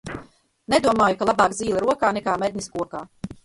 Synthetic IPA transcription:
ned̪uɔmaːjukalˠabaːkziːlˠɛɾuɔkaːnɛkaːmed̪ʲnʲiskuɔkaː

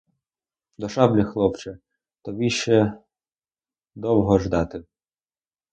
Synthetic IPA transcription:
d̪ɔʃɑblʲixlˠɔpt͡ʃɛ | t̪ɔʋʲiʃt͡ʃɛ | d̪ɔwɦɔʒd̪ɑt̪ɪ

